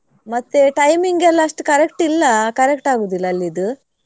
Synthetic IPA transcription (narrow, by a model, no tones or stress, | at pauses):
mɐt̪ːeʈɐjmiŋɡɛlːɐɐʂʈukɐɾekʈilːɐkɐɾekʈaːɡuːd̪ilːɐːlːid̪u